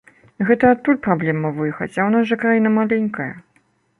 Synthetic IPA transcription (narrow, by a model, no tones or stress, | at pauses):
ɣɛt̪ɐat̪t̪ːulʲpɾablʲɛmɐvɨjɛxɐ̰t͡sʲawnasʐɐkɾajinɐmalʲɛnʲkɐjɐ̰